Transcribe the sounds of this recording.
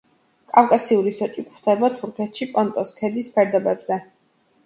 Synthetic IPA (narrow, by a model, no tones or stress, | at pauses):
kʼafkʼasiuɾisɔt͡ʃʼikʰʼχd̪ʰɛbat̪ʰuɾkʰɛt̪ʃipʼɔnt̪ʼɔskʰɛd̪ispʰɛɾd̪ɛbɛbz̥ɛ